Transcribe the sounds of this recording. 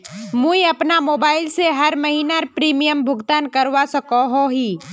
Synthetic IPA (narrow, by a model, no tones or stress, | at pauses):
mũiɐpnamoːbaːɪlseɦɐɾmɐɦiːnaɾpɾiːmijəmbʱʊɡt̪aːnkəɾwasəkoɦoɦiː